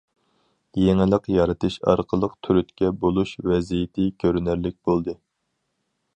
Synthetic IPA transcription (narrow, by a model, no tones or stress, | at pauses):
jeŋɪlˠəqjɑɾɨt̪ɨʃɑ̰ɾqʰəlˠəqt̪ʰyɾyt̪kʲɛbolˠuʃvɛzijɪt̪ʰɪkʲʰøɾynɪɾlɪk̚ʲbolˠd̪ɨ